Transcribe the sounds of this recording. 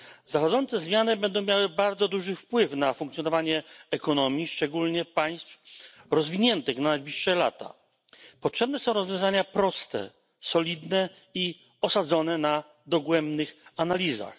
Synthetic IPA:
zaxɔd̪zɔnt̪sɛzmʲjanɘbɛnd̪ɔ̃w̃mʲjawɘbaɾd̪zɔd̪uʐɘfpwɘfnafuŋkt̪sʲjɔnɔvaɲɛɛkɔnɔmʲjiʂt͡ʂɛɡulɲɛpaj̃st̪fɾɔzvʲiɲɛnt̪ɘxnanajblʲiʂʂɛlat̪a̰ | pɔtʂɛbnɛsɔ̃w̃ɾɔzvʲjɔ̃w̃zaɲapɾɔst̪ɛ̰ | sɔlʲid̪nɛ | i | ɔsad̪zɔnɛna | d̪ɔɡwɛmbnɘxanalʲiza̰x

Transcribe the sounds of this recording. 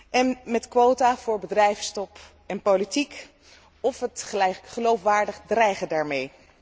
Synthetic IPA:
ʔɛnmɛtkʋowtavʊːɹbədrɛjfstɔp | ɛnpolitik | ɔfɦətχəlowfʋaːɹdəχdrɛjχədaːɹmej

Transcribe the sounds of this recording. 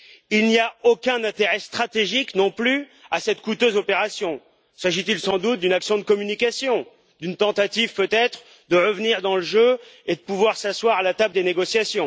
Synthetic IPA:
ilniaokʲɛ̃nɛ̃t̪eʁɛst̪χat̪eʒiknɔ̃plyasɛt̪kut̪øzopeʁasjɔ̃ | saʒit̪ilsɑ̃d̪ut̪̚d̪ynaksjɔ̃d̪əkɔmynikʲasjɔ̃ | d̪ynt̪ɑ̃t̪at̪ivpøt̪ɛt̪χ | d̪əʁəvniʁd̪ɑ̃ləʒøed̪əpuvwaʁsaswaʁalat̪abd̪eneɡɔsjasjɔ̃

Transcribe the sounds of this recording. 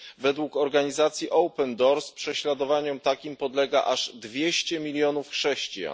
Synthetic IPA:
vɛd̪wukɔɾɡaɲizat̪sʲjiʔɔwpɛnd̪ɔɾspʂɛɕlad̪ɔvaɲɔmt̪akʲimpɔd̪lɛɡa̰ʔaʐd̪vʲjeɕt͡ɕɛmʲilʲjɔnufxʂɛɕt͡ɕija̰n

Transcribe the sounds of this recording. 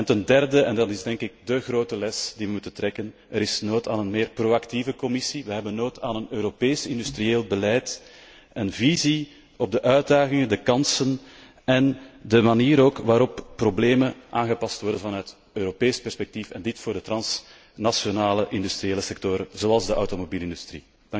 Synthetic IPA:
ɛntəndɛrdəɛndɑtɪzdɛŋkɪɡ̚dəɣroːtəlɛsdiʋəmutəntrɛkən | əɾɪsnoːta̰ːnənmeːrproːaktivəkɔmɪsiʋəɦɛbənːoːtʰaːnənøːɾopeːsɪndystrieːlˠbəlɛjt | ənvizi | ɔb̚dəʔœɥd̚daːɣɪŋəndəkɑnsən | ɛndəmaniːɾoːkʋaːɾɔppːrobleːmənʔaːnɣəpɑstwɔrdənvɑnœɥt | øːɾopeːspɛrspɛk̚tifɛndɪtfoːrdətrɑns | nasjonaːləʔɪndystrijeːləsɛk̚toɾəzoɑlˠzdəɑwtomobiːlɪndystrḭ | dŋ

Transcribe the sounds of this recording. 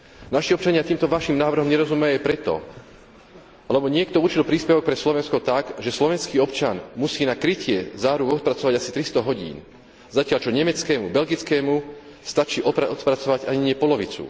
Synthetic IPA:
naʃiɔpt͡ʃaɲɪat̪iːmt̪ɔʋaʃiːmnaːʋr̩ɦɔmɲɛɾɔzumɛjɛpɾɛt̪ɔ̰ | lɛbɔɲɪɛkt̪ɔuɾt͡ʃilpɾiːspɛʋɔk̚pɾɛslɔʋɛnskɔt̪aɡʒɛslɔʋɛnskiːɔpt͡ʃanmusiːnakɾicɪɛzaːɾukɔt̪̚pɾat͡sɔʋaɟasit̪ɾist̪ɔɦɔɟḭːn | zacɪaʎt͡ʃɔɲɛmɛt͡skɛːmubɛlɡit͡skɛːmust̪at͡ʃiːʔɔɔt̪pɾat͡sɔʋaɟaɲiɲɪɛpɔlɔʋit͡sṵ

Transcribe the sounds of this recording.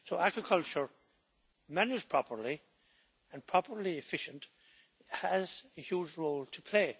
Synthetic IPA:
soʊʔæɡɹɨkʰʌlˠt͡ʃə˞ | mænəz̥pʰɹ̥ɑpə˞li | ə̃npʰɹ̥ɑpə˞liɨfɪʃə̃nt | həzɨhjuːd͡ʒɹoʊlˠtʰəpʰl̥eɪ

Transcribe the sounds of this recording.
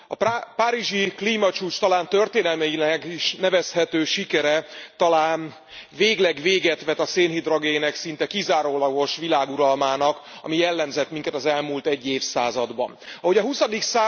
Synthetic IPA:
ɒ̰ppaːɾiʒikliːmɒt͡ʃuːt͡ʃt̪ɒlaːnt̪ørt̪eːnɛlmɛjilɛɡiʃnɛvɛshɛt̪øːʃikɛɾɛt̪ɒlaːn | veːɡlɛɡʋeːɡɛt̪ʋɛt̪ɒseːnɦid̪ro̞ɡeːnɛksint̪ɛkizaːɾoːlɒɡo̞ʃʋilaːɡuɾɒlmaːnɒkɒ̰mijɛlːɛmzɛt̪miŋkɛt̪ɒzɛlmuːlt̪ɛɟːeːfsaːzɒd̪bɒ̰nɒɦo̞ɟɒɦusɒd̪iksaː

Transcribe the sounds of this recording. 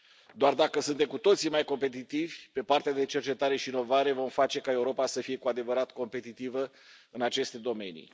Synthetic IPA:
d̪oard̪akəsunt̪e̞mkut̪o̞t̪simajko̞mpe̞t̪it̪ivʲpe̞part̪ead̪e̞t͡ʃe̞rt͡ʃe̞t̪aɾe̞ʃiːno̞vaɾe̞vo̞mfat͡ʃe̞kae̞uɾo̞pasəfije̞kuad̪e̞vəɾat̪ko̞mpe̞t̪it̪ivə | ɨnat͡ʃe̞st̪e̞d̪o̞me̞nḭ

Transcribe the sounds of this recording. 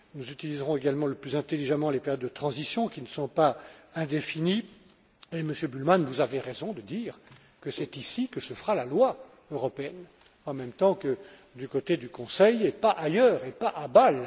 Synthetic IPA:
nuzyt̪ilizʁɔ̃eɡalmɑ̃ləplyzɛ̃t̪eliʒamɑ̃lepeʁjɔd̪ːət̪χɑ̃zisjɔ̃kʲinəsɔ̃paɛ̃d̪efini | eməsjøbylmanvuzaveʁɛzɔ̃d̪əd̪iːʁ | kəsɛt̪isikəsəfəʁalalwa | øʁɔpeɛn | ɑ̃mɛmt̪ɑ̃kə | d̪ykot̪ed̪ykɔ̃sɛjepaʔajœːʁepaʔabal

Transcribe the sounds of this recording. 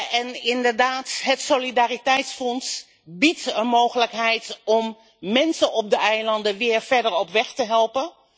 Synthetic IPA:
ɛnɪndəɹdaːtɦətsolidaːritɛjtsfɔns | bitənmowχələkɦɛjtɔm | mɛnsənʔɔp̚dəʔɛjlɑndəʋɪːɹfɛɹdəɹɔpʋɛχtəɦɛlˠpən

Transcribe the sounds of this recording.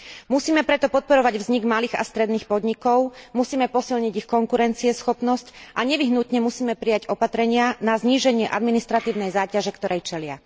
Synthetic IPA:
musiːmɛpɾɛt̪ɔpɔt̪̚pɔɾɔʋaɟʋzɲiɡmaliːɣa̰st̪ɾɛd̪niːxpɔd̪ɲikɔʊmusiːmɛpɔsilɲiɟixkɔŋkuɾɛnt͡siɛsxɔpnɔscʔaɲɛʋiɦnut̪ɲɛmusiːmɛpɾijaɟɔpat̪ɾɛɲɪanazɲiːʒɛɲɪɛʔad̪minist̪ɾat̪iːʊnɛjzaːcaʒɛkt̪ɔɾɛjt͡ʃɛlɪa̰

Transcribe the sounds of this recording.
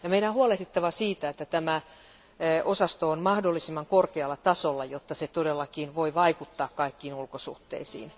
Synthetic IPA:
jɑmeiɾæohuɑleht̪et̪ːɑʋɑsiːt̪æet̪ːæt̪æmæ | ʔosɑst̪oonmɑhdolːisimːɑŋkorkeɑlːɑt̪ɑsolːɑjot̪ːɑset̪odelːɑkiːnʋoiʋɑikut̪ːɑːkkɑikːiːnulkosṵht̪ːḛisḭːn

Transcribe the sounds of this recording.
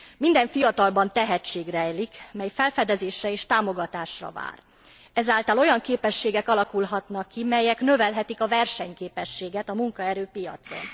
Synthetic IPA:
mind̪ɛɱfijɒt̪ɒlbɒnt̪ɛɦɛt͡ʃːeːɡrɛjlikmɛjfɛlfɛd̪ɛzeːʃrɛeːʃt̪aːmo̞ɡɒt̪aːʃrɒ̰va̰ːr | ɛzaːlt̪ɒlo̞jɒŋkeːpɛʃːeːɡɛkɒlɒkulɦɒt̪nɒkːimɛjɛknøvɛlɦɛt̪ikɒvɛrʃɛɲkeːpɛʃːeːɡɛt̪ɒmuŋkɒɛɾøːpijɒ̰t̪so̞̰n

